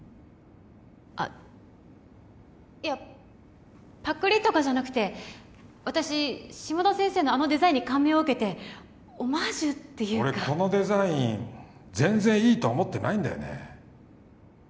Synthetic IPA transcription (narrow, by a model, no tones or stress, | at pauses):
a̰ | ia | pakːɯ̟ɾʲit̪ːo̞kaʑanakɯ̟̥t̪e̞ | βat̪aɕiɕimo̞d̪osẽ̞ɰ̃se̞ːno̞ano̞d̪e̞zaĩɲ̟ːikãmeoɯ̟ke̞t̪e̞ | omaʑɨt̪ːe̞jɯːoɾekako̞no̞d̪e̞zaĩ | d͡zẽ̞nzẽɰ̃iːt̪o̞ːmo̞t̪ːe̞na̰ĩnd̪a̰jo̰ne̞̰